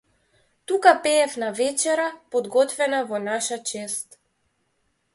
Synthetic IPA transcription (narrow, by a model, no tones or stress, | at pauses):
t̪ukapɛːfnavɛt͡ʃɛɾapɔd̪ɡɔt̪vɛnavɔnaʃat͡ʃɛst̪